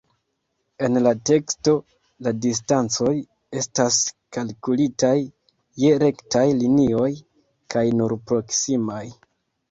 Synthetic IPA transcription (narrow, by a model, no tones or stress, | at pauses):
e̞nlate̞ksto̞ | ladis̬tant͡so̞j | e̞staskalkulitajː | e̞ɾe̞ktajlinio̞j | kʰajnuɾpɾo̞ksimaj